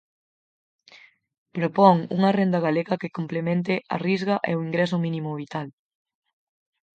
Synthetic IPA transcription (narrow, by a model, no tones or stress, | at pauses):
pɾopɔŋṵŋɐrend̪ɐɣaleɣɐkɪkomplemẽnt̪̬ɪa̰rizɣɐʔḛoiŋɡɾɛs̬ʊmĩnĩmʊβit̪al